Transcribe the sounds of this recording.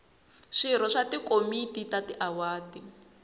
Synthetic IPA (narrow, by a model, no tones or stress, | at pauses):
ʂiɾ̤ɔʂatikomititatiʔawaːti